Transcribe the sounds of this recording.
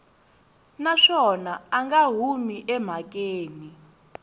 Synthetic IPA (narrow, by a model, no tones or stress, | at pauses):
naʂɔnaaŋɡaɦumiʔɛm̤ak̬ʼeːni